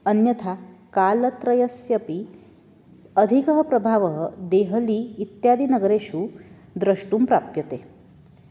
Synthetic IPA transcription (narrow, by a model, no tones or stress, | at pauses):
ənjɐt̪ʰakaːlɐt̪ɾɐjɐsjɐpi | əd̪ʱikəɦəpɾɐbʱaːʋəɦəd̪eɦəliːt̪jad̪inɐɡəɾeʃuː | d̪ɾɐʂʈuːmpɾapjɐt̪e